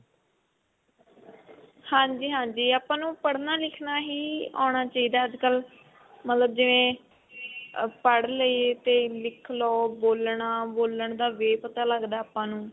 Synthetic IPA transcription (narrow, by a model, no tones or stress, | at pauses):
hãːɲd͡ʒiːɦãːɲd͡ʒiːaːpãːnũːpəɽnaːlɪkʰnaːɦiːa̰ːɳ̃aːt͡ʃaːiːd̪aːəd͡ʒkəl | mət̪ləb̚d͡ʒɪʋẽː | pəɽləit̪eːlɪkʰloːboːlɳaːboːləɳd̪aːʋeːpət̪aːləɡd̪aːpãːnũː